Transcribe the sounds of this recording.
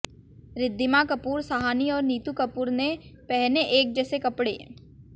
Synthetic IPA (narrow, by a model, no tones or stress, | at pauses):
ɾɪd̪ːɪmakɐpuːɾsaɦaːniɔːɾniːt̪ukɐpuːɾnepɛɦneʔeːk̚d͡ʒɛːsekɐpɽḛː